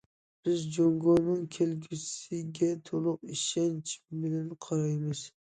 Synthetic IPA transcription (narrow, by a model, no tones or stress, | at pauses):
b̥ɪzd͡ʒoŋɡonɨŋkʲʰelɡʲysɪɡʲɛt̪ʰolˠʊqiʃɛnt͡ʃʰmɪlɪnqʰɑɾɑjmɨz̥